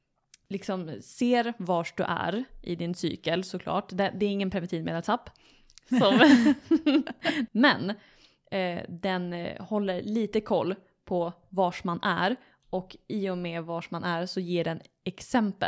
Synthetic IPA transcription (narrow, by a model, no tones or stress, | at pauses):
lɪksɔmseːɾvaʂɖ̪ɵ̰ʔæ̰ɾʔɪ̰d̪ɪnsy̰ːkəlsɔkʰlɑ̰ːʈd̪ɛd̪ɛːɾɪŋːənpʰɾɛvɛnt̪iːvmḛːd̪ɛlsapː | sɔm | mɛn | d̪ɛnhɔlːəɾɭiːt̪əkʰɔlː | pʰɔ | vaʂmanʔæ̰ɾ | ɔkʔiʊmɛvaʂmanæɾsɔjeːɖɛn | ɛksɛmpə̰l